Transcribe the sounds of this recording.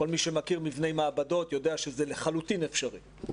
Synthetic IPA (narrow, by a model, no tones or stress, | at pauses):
ko̞lmiʃemakiʁmivnejmaːbado̞t̪jo̞deaʃezeleχalutinefʃaʁi